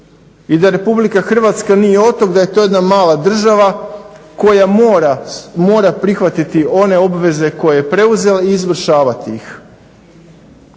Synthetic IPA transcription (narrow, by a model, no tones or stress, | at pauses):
id̪aɾe̞publikaxr̩ʋat̪skanije̞o̞t̪o̞ɡd̪aje̞t̪o̞je̞d̪namaːlad̪r̩ʒaʋako̞jaɾamo̞ːɾapɾixʋat̪it̪io̞ne̞o̞bʋe̞ze̞ko̞jejepɾe̞uze̞laiːzʋr̩ʃaːʋat̪iix